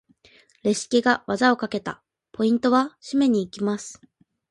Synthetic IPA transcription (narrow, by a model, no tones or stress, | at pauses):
ɾe̞ɕi̥kʲiɡaβazao̞kake̞t̪a̰ | pʰo̞ĩnt̪o̞βaɕime̞ɲ̟iːkʲimasɨ̥